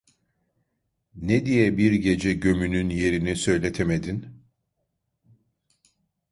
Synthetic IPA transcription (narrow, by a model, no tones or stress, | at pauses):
ned̪ijɛbiɾɟe̞d͡ʒɛɟø̞mynynje̞ɾinisø̞jlʲet̪ʰemed̪in